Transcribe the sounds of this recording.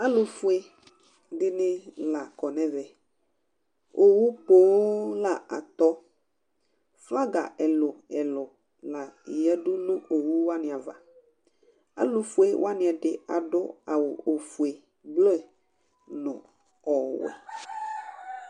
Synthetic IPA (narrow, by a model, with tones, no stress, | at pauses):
a˦lo˨fu˦e˦ | ɖɪ˦ne˦la˨kɔ˨nɛ̃˦vɛ˨ | o˨wu˦po˦wla˨a̰˨t̪ɔ˦ | fa˦ɡa̰˨ʔɛ˨lʊ˨ɛ˨lʊ˨ | la˨jɛ˦ɖʊ˦lʊ˦o˨wu˦wa˦nɪ̃˨a˨va̰˨ | a̰˦lo˨fu˦e˦w̰a˦nɪ̃˨ɛ˨ɖɪ˨a˨ɖʊ˦a˨wo˨o˨fu˨e˨ | blo˦˨ | nʊ̰̃˨ | ɔ˨wɛ̰˨